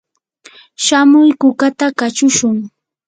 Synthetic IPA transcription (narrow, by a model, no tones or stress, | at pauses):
ʃamʊjkʊkat̪akat͡ʃʊʃʊŋ